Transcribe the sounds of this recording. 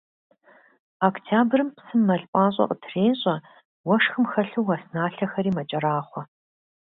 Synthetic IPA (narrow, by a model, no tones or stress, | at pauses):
aktʰaːbrɨmpsɨmːɐɮʼpʷʼaːɕ̬ʼɐ̰qʼətʰreːnɕʼɐ | wɐʂxɨmxɐɬuwwɐsnaːɬɐxɐɾiːmɐt͡ʃʼɐɾaːχʷɔ